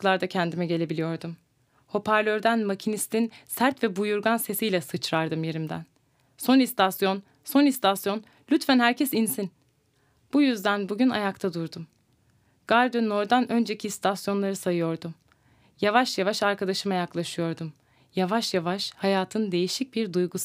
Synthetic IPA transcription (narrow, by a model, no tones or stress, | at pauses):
klˠaɾd̪acʰɛnd̪imɛɟe̞lʲe̞bilʲijo̞ɾd̪um | ho̞pʰaɾlʲø̞ɾd̪ænmacʰinist̪ʰinsæɾt̪vɛbujuɾɡanse̞sijlʲɛsɯt͡ʃɾaɾd̪ɯmje̞ɾimd̪æ̰n | so̞nist̪ʰasjo̞n | so̞nist̪ʰasjo̞n | lʲyt̪fænɦæɾcʰɛsinsin | b̥ujyzd̪ænbuɟyna̰jakt̪ʰad̪uɾd̪um | ɡ̥aɾd̪ønːo̞ɾd̪anø̞nd͡ʒe̞cʰist̪ʰasjo̞nlˠaɾɯsajɯjo̞ɾd̪um | javaʃjavaʃaɾkad̪aʃɯmajaklˠaʃɯjo̞ɾd̪um | javaʃjavaʃhajaːt̪ʰɯnd̪e̞jiʃic̚biɾd̪ujɡus